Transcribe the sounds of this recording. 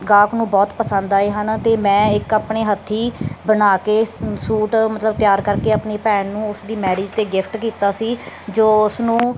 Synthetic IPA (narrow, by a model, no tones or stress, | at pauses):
ɡaːknũːbɔːt̪pəsə̃nd̪aːeːɦənt̪eːmɛ̃ːɪkaːpɳeːɦət̪ʰːiːbənaːkeːsuːʈmət̪ləbt̪ɪjaːɾkəɾkeːaːpɳeːpɛːnnũːʊsd̪iːmɛːɾeːd͡ʒt̪eːɡɪpʰʈkiːt̪aːsiːd͡ʒoːʊsnũː